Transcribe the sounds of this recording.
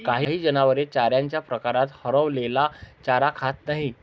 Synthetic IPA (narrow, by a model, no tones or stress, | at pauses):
kaɦiɦiːd͡ʑənaʋəɾet͡ɕaɾjaɲt͡ɕjapɾəkaɾat̪həɾəʋlelat͡ɕaɾakʰat̪naɦi